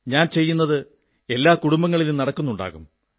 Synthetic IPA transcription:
ɲaːnt͡ɕe̞jːunːɐðɨ | e̞lːaːkuɽumbɐŋːɐɭilumnɐɽɐkːunːuɳɖa̰ːɣum

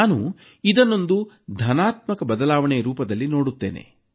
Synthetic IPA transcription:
nu | id̪ɐnːo̞nd̪u | d̪ʱɐnaːt̪mɐkɐbɐd̪ɐlaːʋɐɳɛjɐɾuːpɐd̪ɐlːino̞ːɽut̪ːe̞̰ːnḛ

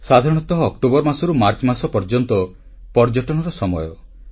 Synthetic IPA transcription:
sad̪ʱaɾɔɽ̃ɔt̪ɔɦɔːk̚ʈobɔɾmasɔɾumaɾt͡ʃɔmasɔpɔɾd͡ʒɔnt̪ɔ | pɔɾd͡ʒɔʈɔɽ̃ɔɾɔsɔmɔjɔ

